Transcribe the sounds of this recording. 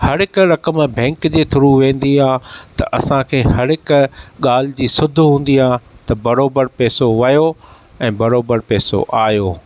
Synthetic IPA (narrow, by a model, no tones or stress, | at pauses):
hɐɾɪkɾɐkəmbʱɛ̃ːŋkd͡ʑeːt̪ʰʊɾuʋẽːn̆d̪iaːt̪ɐ̰ʔɐsãkʰeːhɐɾɪkɠaːl̤ɪd͡ʑiːsʊd̪ʱɦũːn̆d̪iaːt̪ɐbɐɾoːbəɾpɛːsoʋɐjo | ɛ̃ːbɐɾoːbəɾpɛːso̰ʔaːjoː